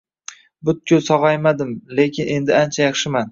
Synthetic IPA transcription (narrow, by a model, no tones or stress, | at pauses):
bʊt̪̚kʲʰʊsɒʁajmad̪ɪmle̞kʲʰɪne̞nd̪ɪant͡ʃʰajɑχʃɪman